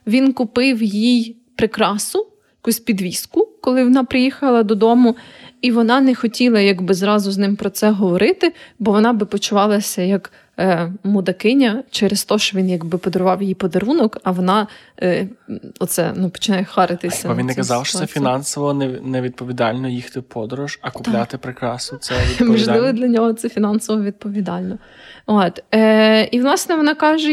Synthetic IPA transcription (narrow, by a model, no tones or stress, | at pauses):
ʋʲinkʊpɪwjjij | pɾɪkɾɑsʊ | jɐkusʲpʲid̪ʋʲiskʊkɔlˠɪʋɔnɑpɾɪjixɐlˠɐd̪ɔd̪ɔmʊiʋɔnɑnɛxɔtʲilˠɐjɐɡbɪzɾɑzʊznɪmpɾɔt̪sɛɦɔʋɔɾɪt̪ɪbɔʋɔnɑbɪpɔt͡ʃʊʋɑlˠɐsʲɐjɐk | mʊd̪ɐkɪnʲɐt͡ʃɛɾest̪ɔʃt͡ʃɔʋʲinjɐɡbɪpɔd̪ɔɾʊʋɑwjjipɔd̪ɐɾunɔkɐʋɔnɑ | ɔtt̪sɛ̰nupɔ̥t͡ʃɪnɑjɛxɑɾɪt̪ɪsʲɐɐvʲinːɛkɐzɑwʃɔ̥t̪ɛfʲinɑnsɔʋɔnɛnɛʋʲid̪̚pɔʋʲid̪ɑlʲnɔjixt̪ɪpʰɔd̪ɔɾʊʒɐkʊp̪lʲat̪ɪpɾɪkɾɑsnɔsɛʋʲimɔʒlˠɪʋɔd̪lʲɐnʲɔɦɔt̪sɛfʲinɑnsɔʋɔʋʲid̪̚pɔʋʲid̪ɑlʲnɔ | ot̪ | iʋlˠɑsnɛʋɔnɑkɑʒɛ